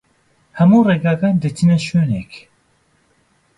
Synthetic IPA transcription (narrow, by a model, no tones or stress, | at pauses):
hɛmuːreːɡaːɡaːnd̪ɨt̪ʰinɛʃøːnek